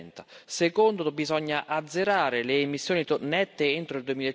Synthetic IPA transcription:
nt̪asekond̪obizɔɲːaʔad̪zːeɾaːɾeleːmisːjoːnit̪onɛt̪ːeent̪ɾoild̪uemile

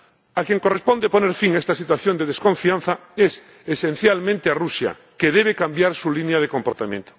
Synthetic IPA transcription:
akjeŋkorespond̪eponeɾfiŋaest̪asit̪waθjond̪eðeskõ̞ɱfiãnθaes | esen̟θjalmẽnt̪earusja̰ | keðeβ̞ekambjaɾsulinjað̞ekompoɾt̪amjḛ̃nt̪o̥

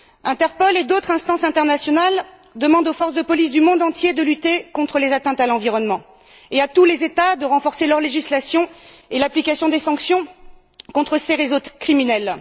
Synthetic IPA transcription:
ɛ̃t̪ɛʁpɔled̪ot̪χɛ̃st̪ɑ̃sɛ̃t̪ɛʁnasjɔnal | d̪əmɑ̃d̪ofɔʁsd̪əpɔlis̬d̪ymɔ̃d̪ɑ̃t̪jed̪əlyt̪ekɔ̃t̪χəlezat̪ɛ̃t̪alɑ̃viʁɔnmɑ̃ | eat̪ulezet̪ad̪əʁɑ̃fɔʁselœʁleʒislasjɔ̃ | elaplikasjɔ̃d̪esɑ̃ksjɔ̃ | kɔ̃t̪χəseʁezokχiminɛl

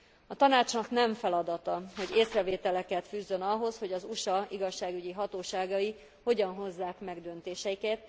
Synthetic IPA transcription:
ɒt̪ɒnaːt͡ʃnɒknɛɱfɛlɒd̪ɒt̪ɒho̞ɟeːsrɛveːt̪ɛlɛkɛt̪fyːzːø̞nɒɦo̞sho̞ɟɒzuʃɒiɡɒʃːaːɡyɟiɦɒt̪oːʃaːɡɒi | ho̞ɟɒnɦo̞zːaːkmɛɡd̪ø̞nt̪eːʃɛjikɛt̪

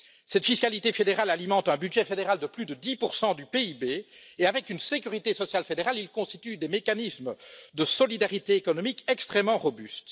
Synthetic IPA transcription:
sɛt̪fiskalit̪efed̪eʁalalimɑ̃t̪ɛ̃byd̪ʒɛfed̪eʁald̪əplyd̪əd̪ipuʁsɑ̃d̪ypeibeeavɛkynsekʲyʁit̪esɔsjalfed̪eʁalilkɔ̃st̪it̪yd̪emekanisməd̪əsɔlid̪aʁit̪eːkɔnɔmikɛkst̪χɛmːɑ̃ʁɔbyst̪

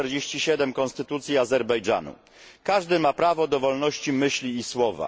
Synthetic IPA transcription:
ɛɾd͡ʑeɕt͡ɕiɕɛd̪ɛmkɔnst̪ɘt̪ut̪sʲjiazɛɾbɛjd͡ʐa̰nṵ | kaʐd̪ɘmapɾavɔd̪ɔvɔlnɔɕt͡ɕimɘɕlʲiːswɔva̰

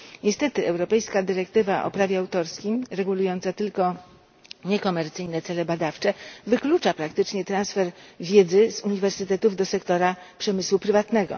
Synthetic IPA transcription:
ɲɛst̪ɛt̪ɘɛwɾɔpɛjskad̪ɘɾɛk̚t̪ɘvaʔɔ̰pɾavʲjɛawt̪ɔɾskʲijmɾɛɡulujɔnt̪sat̪ɘlkɔ | ɲɛkɔmɛɾt̪sɘjnɛt̪sɛlɛbad̪aft͡ʂɛvɘklut͡ʂapɾakt̪ɘt͡ʂɲɛt̪ɾansfɛɾvʲjed̪zɘzuɲivɛɾsɘt̪ɛt̪uvd̪ɔsɛkt̪ɔɾapʂɛmɘswupɾɘvat̪nɛɡɔ̰

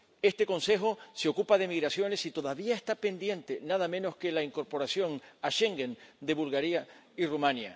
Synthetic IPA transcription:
e̞st̪e̞ko̞nse̞xo̞seo̞kupaðe̞miɣɾasjo̞ne̞sit̪o̞ðaβiaest̪ape̞nd̪je̞nt̪e̞naðamẽno̞ske̞laiŋko̞ɾpo̞ɾasjo̞ŋaʃe̞ŋɡend̪e̞βulɣaɾia | irumãnja

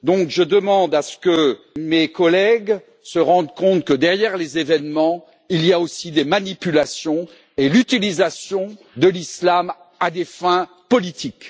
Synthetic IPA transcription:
d̪ɔ̃kʒəd̪əmɑ̃d̪asə̥kə | mekɔlɛɡ | səʁɑ̃d̪kɔ̃t̪kəd̪ɛʁjɛʁlezevɛnmɑ̃ | iliaosid̪emanipylasjɔ̃ | elyt̪ilizasjɔ̃ | d̪əlislam | ad̪efɛ̃ | pɔlit̪ʰik

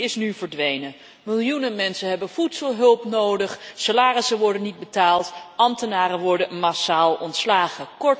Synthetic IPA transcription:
ɪsnyvəɹdʋejnə | mɪlˠjunəmɛnsənɦɛbənvutsəlˠɦɵlˠpnowdəχsalaːrɪsəʋɔɹdənːid̚bətaːlˠtʔɑmtənaːrənʋɔɹdənmasaːlˠɔntslaːχəkɔ

